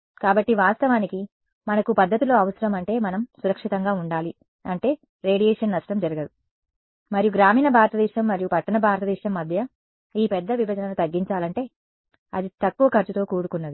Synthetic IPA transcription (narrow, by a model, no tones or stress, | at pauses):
kaːbɐʈːiʋaːst̪ɐʋaːniki | mɐnɐkupɐd̪ʱːɐt̪ilo̞ːɐʋɐsɐɾɐmɐɳʈe̞ːmɐnɐmsuɾɐkʂit̪ɐŋɡaːuɳɖaːli | ɐɳʈe̞ː | ɾe̞ːɽijeːʂɐnnɐʂʈɐmd͡ʒɐɾɐɡɐd̪i | mɐɾijuɡɾaːmiːnɐbʱaːɾt̪ɐd̪iːʃɐmːɐɾijupɐʈːɐnɐbʱaːɾt̪ɐd̪iːʂɐmːɐd̪ʱjɐ | iːpɛd̪ːɐʋibɐd͡ʒɐnɐnut̪ɐɡːiɲt͡ʃaːlɐɳʈe̞ː | ɐ̰d̪it̪ɐkːuʋɐkɐɾt͡ʃut̪o̞ːkuːɽukunːɐd̪i